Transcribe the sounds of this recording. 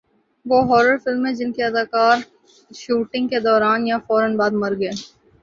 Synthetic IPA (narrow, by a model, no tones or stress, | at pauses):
ʋoːɦɔːɾəɾfɪlmɦɛ̃d͡ʒɪnkiɐd̪aːkaːɾ | ʃuːʈɪ̃ŋɡked̪ɔːɾaːnjafɔːɾənbaːd̪mɐɾɡəː